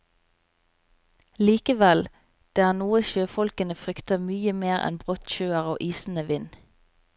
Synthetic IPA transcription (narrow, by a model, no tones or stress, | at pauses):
liːkəʋɛl | d̪̥eːæːnuːəʃøːfɔlkənəfʁʏkt̪əmyːəmeːʁɛ̰nbʁɔt̪ʃøːəʁo̰ːʔiːsn̩əʋɪn